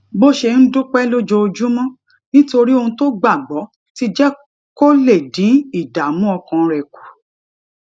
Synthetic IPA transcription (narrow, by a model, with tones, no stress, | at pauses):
bo˦ʃe˧n̩˦dũ˦k͡pɛ˦lo˦d͡ʒo˧o˧d͡ʒu˦mɔ̃˦ | nĩ˦to˧ɾi˦o˧hũ˧to˦ɡ͡ba˦˨ɡ͡bɔ˨˦ | ti˦d͡ʒɛ˦ | ko˦le˦˨dĩ˨˦i˦˨da˨mũ˦ɔ˧kã˧ɾɛ˨ku̥˨